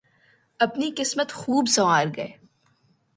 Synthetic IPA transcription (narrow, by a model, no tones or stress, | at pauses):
ɐpnikɪsmət̪xuːbsɐʋaːɾɡɐeː